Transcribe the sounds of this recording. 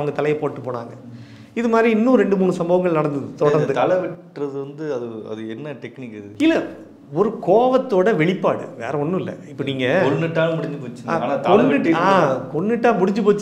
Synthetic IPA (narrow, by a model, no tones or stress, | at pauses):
ʋɐŋɡɐt̪ɐlɐjɐpoːʈːɯpoːɳa̰ːŋɡɐ | ɪðɯmaːd̪ɾiɪnːũɾɛɳɖɯmuːɳɯsɐmboːʋɐŋɡɐɭnɐɽɐnd̪ɯðɯt̪ɔɽɐɾnd̪ɯt̪ɐlɐʋɪʈrɐðɯʋɐnd̪ɯɐðɯɐ̰ðɯɛnːɐʈɛknɪkɪðɯɪlɐ | ɔɾɯkoːʋɐt̪ːoːɽɐʋɛɭɪpːaːɽɯ̰ʋḛːɾɛɔnːɯ̃ɪlːɐ̰ɪpːoniːŋɡɐkɔnːɯʈːaːmʊɽɪɲd͡ʒɯpoːt͡ʃːɐa̰ːaːnaːt̪kɔːɪʈːakɔɳːɪʈːaːmʊɽɪɲd͡ʒɯp̬oːt͡ʃː